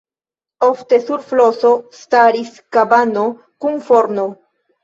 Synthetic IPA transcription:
o̞fte̞suɾflo̞so̞staɾiskabano̞ | kunfo̞ɾno

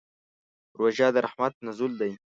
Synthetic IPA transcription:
ɾwoʒɑːd̪əɾaħmat̪̚nazuld̪aj

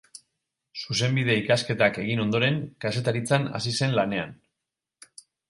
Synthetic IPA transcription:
suse̞mbiðe̞ikaske̞t̪ake̞ɣ̞ino̞nd̪o̞ɾe̞ŋkase̞t̪aɾit͡sana̰sise̞nlane̞an

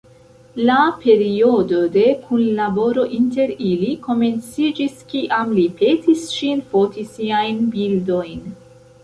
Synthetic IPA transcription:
lape̞ɾio̞do̞de̞kʰunlabo̞ɾo̞ʔinte̞ɾiliko̞me̞nt͡sid͡ʒiskiʔamlipʰe̞tisʃinfo̞tisiajnbildo̞jn

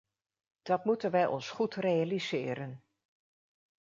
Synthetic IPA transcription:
d̥ɑtmutənʋɛjʔɔ̰nsχutrejalizɪːɾən

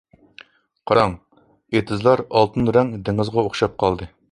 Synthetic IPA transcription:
qʰɑɾɑŋ | et̪ʰɨzlˠɑɾɑlˠt̪ʰɨnɾɛŋd̪eŋɨzʁɑoχʃɑp̚qʰɑlˠd̪ɨ

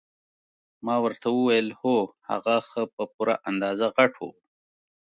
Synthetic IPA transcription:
mɑwəɾt̪awəwajəlhoha̰ɣaxəpəpuɾaʔand̪ɑzaɣaʈʰo̰

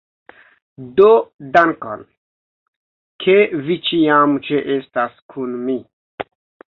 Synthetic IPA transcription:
dodaŋko̰n | kʰevit͡ʃiamt͡ʃeʔestaskʰunmi

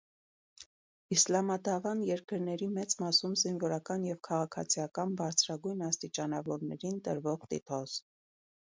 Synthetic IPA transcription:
islɑmɑd̪ɑvɑnjɛɾkəɾnɛɾimɛt͡smɑsumzinvɔɾɑkɑnjɛvkʰɑʁɑkʰɑ̰t͡sʰijɑkɑnbɑɾt͡sʰɾɑɡujnɑst̪it͡ʃɑnɑvɔɾnɛɾint̪əɾvɔʁt̪ḭt̪ʰɔs

